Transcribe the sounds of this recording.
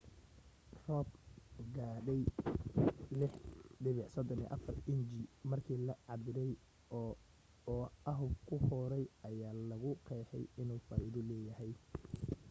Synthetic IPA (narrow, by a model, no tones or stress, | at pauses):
rɔbɡaːɖɛj | lɪħɖɪβɪʕsɔd̪ɔnḭːʔɑ̰fɐrɪnd͡ʒimɐrkʰiːlɐʕɑdɪɾɛj | ɐɦʊwkʰʊhɔːɾɛjɐjaːlɐɣʊqʰɛːħɛ̰jɪnuːfɐɾiːðʊlɛːjɐhɛj